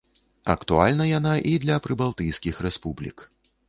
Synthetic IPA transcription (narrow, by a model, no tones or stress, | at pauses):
ɐ̰kt̪ualʲnɐjan̪aʔid̪lʲɐpɾɨbalˠt̪ɨjskʲixɾɛspublʲḭk